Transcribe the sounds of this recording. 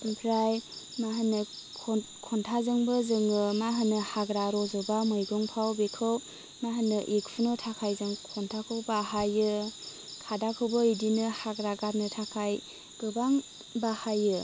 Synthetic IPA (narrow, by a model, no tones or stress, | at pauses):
ɯnpʰɾaj | maɦɯnːɯ | kʰ | kʰɔntʰazɯŋbɯzɯŋɯmaɦɯnɯhaɡɾaɾɔzɯbamɯjɡɔŋpʰawbekʰɯw | maɦɯnɯʔik̚pʰunɯtʰakʰajzɯŋkʰɔntʰakʰɯwbaɦajɯ | kʰadakʰɯwbɯidinɯhaɡɾaɡat̚nɯtʰakʰaj | ɡ̥ɯbaŋ | bahajɯ